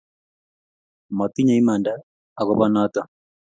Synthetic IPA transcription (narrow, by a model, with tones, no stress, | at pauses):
mɔ˨t̪i˦ɲa˨i˦ma˨ndaː˦ | ɣo˨βa˦nata˨